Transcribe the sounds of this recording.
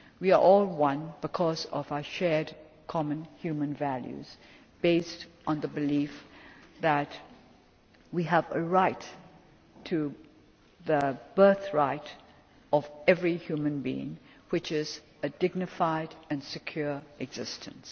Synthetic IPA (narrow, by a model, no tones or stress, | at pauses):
wiə˞ʔɔlˠwʌ̃nbɨkʰɔzʌvaʊə˞ʃɛɹdkʰɑmə̃nhjʉmə̃nvæljʉ̰z̥ | b̥eɪstʔn̩ðəbɨlifðət̚ | wiəvəɹaɪtʰ | ɨ | ðəb̥ɜ˞θɹaɪɾ | ʌvɛvɹihjumɨ̃nbḭɪ̰̃ŋ | wɨt͡ʃɪz | ɨdɪɡ̚nɨfaɪɾɨ̃nsɨkʰj̥ʊɹʔɨɡz̥ɪstʰɨ̃ns